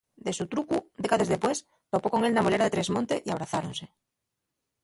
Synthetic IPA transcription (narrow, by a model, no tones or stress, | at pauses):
d̪e̞sut̪ɾukud̪e̞kaðeðe̞pwe̞s | t̪opo̞ko̞ŋe̞lnamole̞ɾaðet̪ɾe̞zmõ̞nt̪e̞ʔiaβ̞ɾaθaɾo̞nse̞